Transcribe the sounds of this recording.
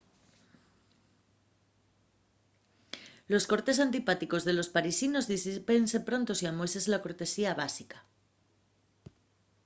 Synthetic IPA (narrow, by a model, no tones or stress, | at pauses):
lo̞sko̞ɾt̪e̞s̬ant̪ipat̪iko̞zðe̞lo̞spaɾisino̞zðispensepɾo̞nt̪osiamojse̞zlako̞ɾt̪e̞siaβasikḁ